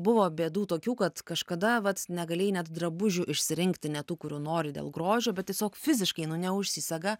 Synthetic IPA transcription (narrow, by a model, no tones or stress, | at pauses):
bʊʋoːbʲeːd̪uːt̪oːkʲuːkɐt̪kɐʃkɐd̪ɐʋɐt̪nʲɛɡɐlʲeːjnʲɛt̪d̪rɐbʊʒʲuːʔɪʃʲsʲɪɾʲɪŋkt̪ʲɪnʲɛt̪uːkʊɾʲuːnoːɾʲɪd̪ʲḛːlˠɡɾoːʒʲoːbʲɛt̪tʲiɛsʲoːkfʲɪzʲɪʃkɐɪnʊnʲɛʊʃʲsʲisʲɛɡɐ